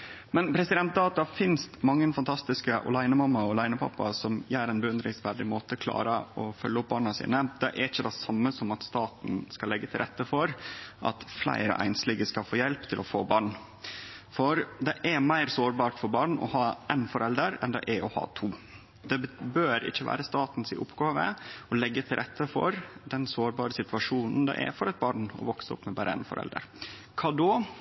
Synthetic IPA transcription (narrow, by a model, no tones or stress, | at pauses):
mɛnpʰɾɛsɪd̪ɛnt̪̚d̪ɑːt̪ɑfɪnst̪mɑŋːənfɑnt̪ʰɑst̪ɪskəʔɔ̰læɪnəmɑmːɑɔlæɪnəpʰɑ̰pːɑsɔmjæːɾæɪnbəʉnd̪ɾɪŋsʋæɖɪmoːt̪əkʰlɑ̰ːɾəɔfœ̰lːəʊp̚bɑːɳɑsḭːnəd̪̥ɛʔɛɾɪçːəd̪ɛsɑmːəsɔmɑt̪st̪ɑːt̪n̩skɑlːɛɡːət̪ʰɪlɾɛt̪ːəfɔɾʔɑ̰t̪flæ̰ɪɾə̰ʔæ̰ɪnsliːɡəskɑlfoːjɛlpt̪ʰɪlɔfo̰ːbɑːɳ | fɔɾd̪ɛʔɛmæɪɾsoːɾbɑːʈfɔɾbɑːɳɔ̰hɑːʔæɪnfɔɾɛld̪əɾɛnd̪ɛ̰ʔæɔhɑ̰ːt̪ʰuː | d̪ɛbøːɾɪ̰çːəʋæ̰ːɾəst̪ɑːt̪n̩sɪʔʊpːɡɑːʋəɔlɛɡːət̪ʰɪlɾʔɛt̪ːəfɔ̰ɾd̪ɛnsoːɾbɑːɾəsɪt̪ʋɑʂuːnn̩d̪ɛ̰ʔɛ̰fɔɾɛɪt̪̚bɑːɳɔ̰ʋɔksəɔ̰pːmɛbæːɾʔəæ̰ɪnfɔ̰ɾʔɛ̰ld̪ə̰ɾ | kʰɑːd̪ɔ